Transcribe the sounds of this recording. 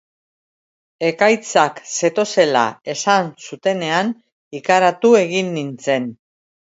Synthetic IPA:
e̞kajt͡sakse̞t̪o̞se̞la̰e̞sansut̪e̞ne̞an | ikaɾat̪ue̞ɣ̞inːint͡se̞n

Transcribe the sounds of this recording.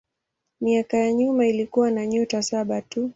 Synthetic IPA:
miakajaɲumailikuwanaɲutasaɓatu

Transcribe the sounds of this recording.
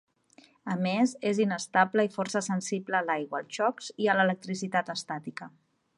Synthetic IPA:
əmezezinəst̪abləifɔrsəsənsibləːlajɣwəːlˠʃɔkziələlək̚t̪ɾisit̪at̪əst̪at̪ikə

